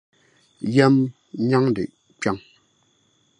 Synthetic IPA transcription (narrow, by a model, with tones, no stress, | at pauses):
jɛ˦m | ɲa˦ŋ˨dḛ˨ʔ | pja˦˨ŋ